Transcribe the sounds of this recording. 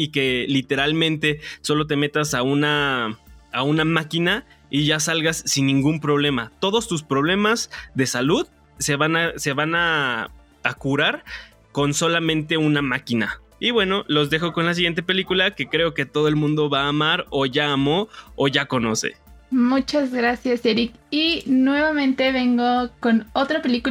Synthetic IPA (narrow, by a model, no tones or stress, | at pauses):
ike̞lit̪e̞ɾalmẽ̞nt̪e̞so̞lo̞t̪̬e̞me̞t̪asaunaː | unamakina | iʝasalɣasːinːĩŋɡumpɾo̞β̞le̞mat̪o̞ðo̞st̪us̬pɾo̞βle̞mazðe̞saluð | se̞βanase̞βanaː | kuɾaɾ | ko̞nso̞lamẽ̞nt̪e̞unamakina | iβwe̞no̞lo̞zðe̞xo̞ko̞nlas̬iɣjent̪̬e̞pe̞likulake̞kɾe̞o̞ke̞t̪o̞ðo̞e̞lmũnd̪o̞βaːmaɾoʝaːmo̞oʝako̞no̞̰se̞̰mut͡ʃazɣɾasjaseɾikinwe̞βamẽnt̪e̞βe̞ŋɡokonot̪ɾapeliku